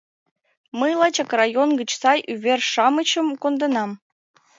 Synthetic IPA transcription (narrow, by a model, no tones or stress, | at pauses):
məjlˠɑt͡ɕɑkrɑjonɡət͡ɕsɑjʔyβerʃɑmət͡ɕə̆mkond̪ɤ̆nɑm